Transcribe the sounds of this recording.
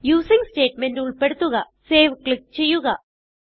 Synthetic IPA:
juːsiŋste̞ːʈme̞nduɭpe̞ɽut̪ːuɣɐ | se̞ːʋkɭik̚t͡ɕe̞jːuɣɐ

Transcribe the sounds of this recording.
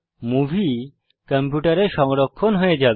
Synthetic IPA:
mubʱi | kəmpjuʈaɾeɾʃɔŋɾokʰːonɦoed͡ʑab

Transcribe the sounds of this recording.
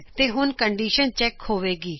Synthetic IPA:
t̪eːɦʊnkəɳɖiːʃənt͡ʃɛːkhoːʋeːɡiː

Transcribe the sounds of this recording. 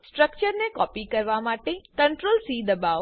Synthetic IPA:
sʈɾək̚t͡ʃəɾnekɔpikəɾʋamaʈekəɳʈɾolsid̪əba

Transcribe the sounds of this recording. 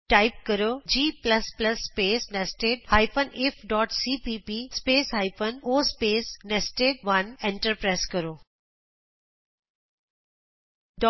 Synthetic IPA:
ʈaɪp̚kəɾoːd͡ʒiːplɐspləsːpeːsnesʈeːɖhaːɪpənefʰɖɔːʈsiːpiːpispeːsɦaɪpənoːspeːsnesʈeːɖ̚ʋɐnẽɳʈəɾpɾaːskəɾoː | ɖɔ

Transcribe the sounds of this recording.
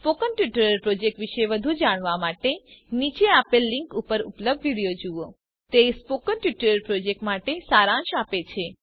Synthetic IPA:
spokənʈʋiʈəɾəɾpɾod͡ʒek̚ʈʋiʃeʋəd̪ʱud͡ʒaɽ̃ʋamaʈenit͡ʃeapelːiŋkupəɾṵpləb̚d̪ʋiɽijod͡ʒuo | t̪espokənʈjiʈəɾəɾpɾod͡ʒek̚ʈmaʈesaɾãʃapet͡ʃʰe

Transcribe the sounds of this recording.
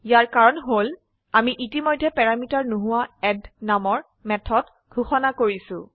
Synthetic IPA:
jaɹkaɹɔnɦol | amiʔitimɔjdʱːɛpɛɹamitaɹnuɦʊwaɛdnamɔɹ | mɛtʰɔt | ɡ̥ʱuxɔnakoɹisʊ̃

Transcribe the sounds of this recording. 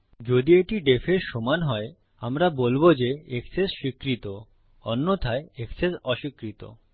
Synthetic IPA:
d͡ʑod̪ieʈiɖefʰeɾʃɔmanɦɔe | amɾabolbod͡ʑeeksesʃikɾit̪o | ɔnːot̪ʰaeeksesɔʃikɾit̪o̰

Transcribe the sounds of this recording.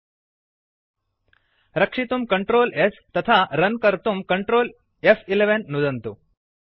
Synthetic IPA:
ɾɐkʂit̪umkɐɳʈɾoːlest̪ɐt̪ʰaːɾɐnkɐɾt̪umkɐɳʈɾoːl | efileʋenːud̪ɐnt̪u

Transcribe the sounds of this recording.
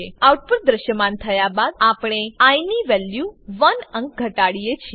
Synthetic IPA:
eawʈ̚puɾ̚d̪ɾəʃjəmant̪ʰəjabad̪̚apɽ̃eajniʋɛljuʋənə̃ŋk̚ɡʱəʈaɽijet͡ʃʰi

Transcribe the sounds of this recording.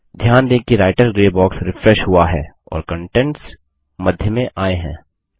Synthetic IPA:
d̪ʱjaːnd̪ẽːkiɾaːɪʈəɾɡɾeːbɔːksɾɪfɾɛʃɦʊaɦɛː | ɔ̰ːɾkə̃ɳʈɛ̃ɳʈs | mɐd̪ʱjəmẽʔaːeɦɛ̰̃ː

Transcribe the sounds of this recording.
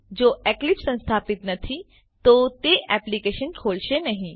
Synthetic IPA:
d͡ʒoːʔɛːklɪpsɐ̃nst̪ʰaːpɪt̪nɐt̪ʰi | t̪oːt̪eʔɛːplikeːʃənkʰoːlʃenɐɦĩ

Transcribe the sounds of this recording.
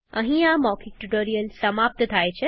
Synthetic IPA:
ə̰̃ɦĩamɔːkʰik̚ʈuʈoːɾijəlsɐmaːp̚t̪ət̪ʰaːet͡ɕʰe

